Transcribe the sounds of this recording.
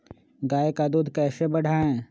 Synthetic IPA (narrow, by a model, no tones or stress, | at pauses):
ɡaːekad̪uːd̪ʱkɛːsebɐɽ̤ʱaːɛ̃ː